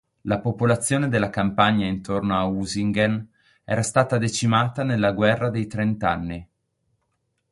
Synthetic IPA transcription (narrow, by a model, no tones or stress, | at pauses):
lapopolat̪sːjoːned̪elːakampaɲːaint̪ornoauziŋɡan | ɛ̰ːɾast̪aːt̪ad̪et͡ʃimaːt̪anelːaɡwɛrːad̪ejt̪ɾent̪anːi